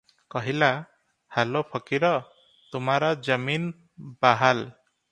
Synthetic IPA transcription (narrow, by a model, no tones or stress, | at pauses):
kɔɦila | halopʰɔkiɾɔ | t̪umaɾɔd͡ʒəmin | baɦal